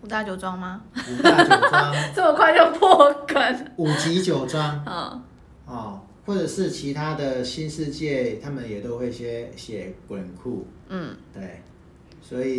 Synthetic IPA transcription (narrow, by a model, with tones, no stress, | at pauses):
u˨˩t̪a˥˩t͡ɕjo˨˩ʊt͡swa˥ŋma˧u˨˩a˥˨t͡ɕa˦ŋt͡sə˥˩mə˨kʰwa˥˧ɪt͡ɕo˥˧ʊpʰɔ˥˧kwə˨˩˦nu˨˩t͡ɕi˧˥t͡ɕjo˨˩ʊt͡swa˦ŋɔ̰˨˩ | ɔ˨ | xwɔ˥˩ʈ͡ʂə˨˩ʂɻ̩˥˩t͡ɕʰi˧˦t̪ʰa˦d̪ə˨ɕi˦˥nʂɻ̩˥˧t͡ɕjɛ˥˨t̪ʰa˦˥mə˨njɛ˨˩t̪o˥˦ʊxwe˥˩ɪɕjɛ˦ɕjɛ˨˩kwə˨˩nkʰu˥˩ | n̩˥˩t̪we˥˩ɪ | swɔ˧˦˥i˨˩